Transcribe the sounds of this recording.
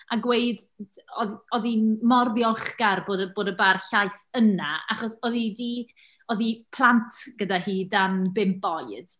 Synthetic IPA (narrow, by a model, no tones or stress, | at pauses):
aɡwejdɔðɔðinmɔrðjɔlˠχɡ̥arboːdəboːdəbarɬajθənaa̰χɔsɔðidi | ɔðipʰlˠantʰɡ̥ədahiːdambɪmbɔɨd̥